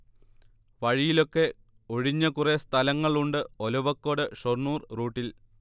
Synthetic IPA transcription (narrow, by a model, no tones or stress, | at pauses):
ʋɐɻijilo̞kːe̞ | oɻiɲːɐkure̞st̪ʰɐlɐŋːɐɭuɳɖɨolɐʋɐkːo̞ːɽɨʂornuːrruːʈːil